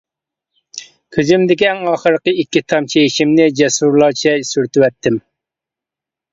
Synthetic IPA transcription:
kʲʰøzymd̪ɪkʲiɛŋɑːχəɾəqəikʲːit̪ʰɑmt͡ʃʰejiʃimnɪd͡ʒɛsuɾlˠɑɾt͡ʃʰɛsyɾt̪ywɛt̪ʰːɪm

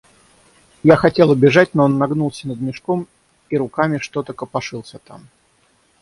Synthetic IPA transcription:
jaxɐtʲe̞lˠəbʲɪʐatʲnoonːɐɡnulˠsʲənəd̪̚mʲɪʂkom | iɾʊkamʲɪʂt̪o̞t̪əkəpɐʂɨlˠsʲət̪a̰m

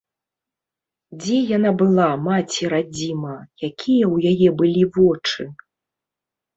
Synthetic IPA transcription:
d͡zʲɛjanabɨlˠamat͡sʲiɾad͡zʲimɐjakʲijɐwjajɛbɨlʲivɔt͡ʂɨ

